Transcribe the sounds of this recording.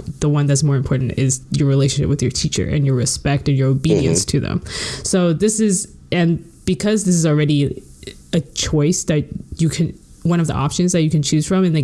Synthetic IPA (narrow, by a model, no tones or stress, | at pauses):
ðəwʌ̃nðɨtsmɔɹɨ̃mpʰɔɹʔn̩tɪzjə˞ɹileɪʃn̩ʃɪ̰p̚wɨðjə˞tʰit͡ʃə̰˞ʔɨ̰̃njə˞ɹɨspɛk̚tɨ̃njə˞oʊbiɾiɨ̰̃nstʰɨðɨ̰̃msoʊðɪsɪz | ɨ̃n | b̥ɨkʰʌzðɪs̬ɨzl̩ˠɹɛɾi | ɨt͡ʃʰɔɪsðɨt͡ʃɨkʰɨ̃n | wʌ̃ñʌvðḭʔɑ̰pʃɨ̃nzðɨt͡ʃɨkɨ̃nt͡ʃʰʉz̥fɹʌ̃mɨ̃nðe